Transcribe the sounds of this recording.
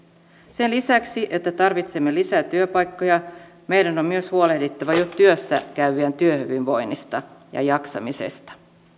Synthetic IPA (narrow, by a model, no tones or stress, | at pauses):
senlisæksiʔe̞t̪ːæt̪ɑrʋit̪semːelisæt̪yøpɑjkːo̞jɑ | me̞jdæno̞mmyøshuolehdit̪ːæʋæjot̪tːyøsːæ̰kæyʋiænt̪yøhyʋinʋo̞jnːist̪ɑjɑ̰jɑksɑ̰misḛst̪ɑ̥